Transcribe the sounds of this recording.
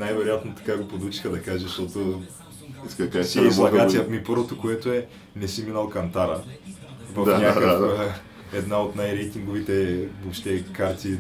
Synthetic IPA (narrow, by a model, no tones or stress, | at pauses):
najvɛɾojat̪not̪ɐ̥kaɡopod̪ut͡ʃi̥xəd̪ɐkaʒəʃt̪ɔt̪o | kasizlˠɐkat̪sijɐmipɤɾvot̪okoɛt̪oɛ | nɛsiminalˠkɐnt̪aɾə̰ | vɐfɲʲakək | ɛd̪naot̪najɾɛjt̪iŋɡovit̪ɛvoʃt̪ɛkaɾt̪i